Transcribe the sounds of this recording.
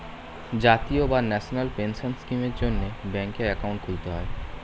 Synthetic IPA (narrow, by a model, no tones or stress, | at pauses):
d͡ʑat̪iobanɛʃonalpenʃonskimeɾd͡ʑonːebɛ̃ŋkeɾɛkaũɳʈ̚kʰuit̪eɦɔ̰e